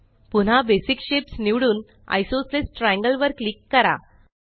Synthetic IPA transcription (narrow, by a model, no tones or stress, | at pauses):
pun̤abesikɕepsniʋɽuːn | a̰jsoslesʈɾæ̃ŋɡəlʋəɾklikːəɾa̰